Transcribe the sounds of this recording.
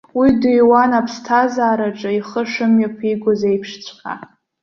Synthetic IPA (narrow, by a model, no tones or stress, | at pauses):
widujwanapʰstʰazaːɾaʈ͡ʂʼaiχəʂɨmjapʰiɡʷʊzejpʰʂt͡sʷʰχʲa̰